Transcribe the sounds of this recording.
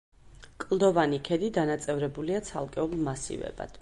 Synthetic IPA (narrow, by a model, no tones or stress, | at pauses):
kʼlˠd̪ɔvanikʰɛd̪id̪anat̪sʼɛvɾɛbuliat̪sʰa̰lˠkʼɛulˠmasḭvɛ̰ba̰d̪̥